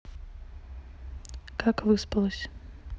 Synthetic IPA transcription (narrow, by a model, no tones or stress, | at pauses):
kakvɨspɐlˠəsʲ